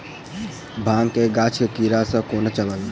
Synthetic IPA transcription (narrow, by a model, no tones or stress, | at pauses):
bʱãːŋkeɡaːt͡ʃʰkekiɾasə̃koːnet͡ʃələl